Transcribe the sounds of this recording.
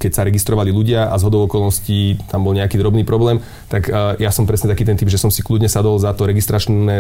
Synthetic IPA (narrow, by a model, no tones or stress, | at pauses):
kɛcsaɾɛɡist̪ɾɔʋaliluɟɪaʔazɦɔd̪ɔʊɔkɔlnɔscit̪ambɔlɲɛakiːd̪ɾɔbniːpɾɔblɛːm | t̪akːjasɔmpɾɛsɲɛt̪akiːt̪ɛnt̪iːbʒɛsɔmsikludɲɛsad̪ɔlzat̪ɔɾɛɡist̪ɾat͡ʃnɛ